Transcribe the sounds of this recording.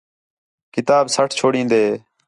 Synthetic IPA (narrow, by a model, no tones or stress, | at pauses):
kɪt̪aːbsəʈʰt͡ʃʰoːɽĩːnd̪eː